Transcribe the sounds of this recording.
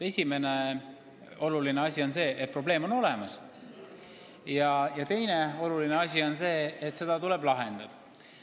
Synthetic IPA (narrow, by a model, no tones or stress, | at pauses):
e̞sʲime̞ne̞ | o̞lulineɑsʲio̞nse̞ːʔet̪̚pro̞ble̞ːmo̞no̞le̞mɑs | jɑjɑt̪e̞jne̞o̞lulineɑsʲio̞nse̞ːet̪ːse̞d̪̥ɑt̪ule̞blɑɦe̞nd̪̥ɑd̪̥ɑ